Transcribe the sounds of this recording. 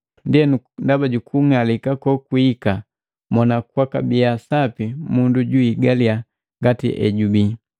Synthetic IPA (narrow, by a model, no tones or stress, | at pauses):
ndiɛnundabaɟukʰuŋalikakɔkuika | mɔnakwaka̰bijasapimunduɟuiɡalia | ŋɡatḭʔɛ̰ɟubi